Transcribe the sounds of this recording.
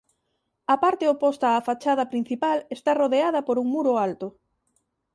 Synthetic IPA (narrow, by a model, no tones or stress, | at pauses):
ɐpaɾt̪eopost̪ɐːfat͡ʃaðɐpɾin̟θipalest̪aroðeaðɐpoɾuŋmuɾʊalt̪ʊ